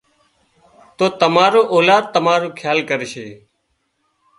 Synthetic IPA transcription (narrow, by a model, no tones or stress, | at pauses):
t̪oːt̪əmaːɾoːʔoːlaːd̪̚t̪ːəmaːɾoːkʰjaːlkəɾeʃḛː